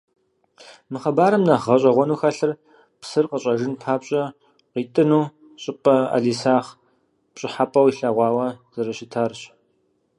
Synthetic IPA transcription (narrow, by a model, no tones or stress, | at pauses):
mɨχɐbaːɾɨmnɐʁɐɕʼɐʁʷɔnuːxɐɬɨr | psɨrqəɕʼɐʒɨnpʰaːpɕʼɐ | qiːtʼɨnuː | ɕʼɪpʼɐa̰ɮiːsaːχ | pɕʼɪħapʼɐwiɬɐʁʷɑːwɐz̥ɐɾɨɕɪtʰarɕ